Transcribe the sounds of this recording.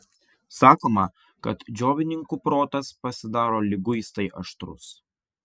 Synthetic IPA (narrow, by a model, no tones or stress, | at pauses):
sɑːkoːmɐ | kɐt̪d͡ʒʲoːʋʲɪnʲɪŋkupɾoːt̪ɐspɐsʲɪd̪ɑːɾoːlʲɪɡʊɪst̪ɐɪʔɐʃt̪ɾʊ̰s